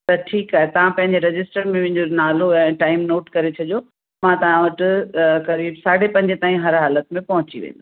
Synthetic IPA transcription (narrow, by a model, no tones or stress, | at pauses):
t̪ɐʈʰiːkaːɦet̪ɐʋ̤ãpɐ̃ɦɪ̃ɲd͡ʑeɾɐd͡ʑɪsʈəɾmẽʋɪ̃ɦɪ̃ɲd͡ʑonaːloɛ̃ːʈaːɪmnoːʈkɐɾet͡ɕʰɐʄjo | mãt̪ɐʋ̤ãʋɐʈɪkɐɾiːbsaːɽ̤epɐ̃ɦɪɲd͡ʑet̪aːɦĩɦɐɾɦaːlət̪mẽpɐɦʊt͡ɕiʋḛ̃ːnd̪